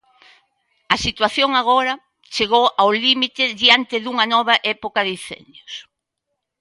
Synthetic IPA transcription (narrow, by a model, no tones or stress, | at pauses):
ɐsit̪waθjoŋaɣ̞oɾɐ | t͡ʃeɣowʔawlimit̪ɪðiant̪ɪðuŋɐnɔβ̞aʔɛpokaðiθɛ̰njos